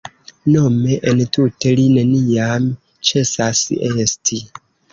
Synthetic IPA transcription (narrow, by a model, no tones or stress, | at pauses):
no̞me̞ʔentute̞line̞niam | t͡ʃe̞sase̞stʰi